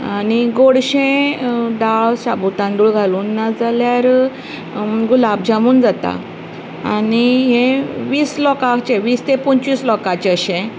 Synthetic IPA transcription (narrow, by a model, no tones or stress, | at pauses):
aniɡoɽɕẽd̪aɭsabut̪ãnd̪uːɭɡʱaluːnːad͡zaljaɾ | ɡulab̚d͡ʑãmuːnd͡zat̪a̰ | aniɦẽʋiːslɔkat͡ɕeʋiːst̪epuɲt͡ɕʋiːslɔkat͡ɕeəɕẽ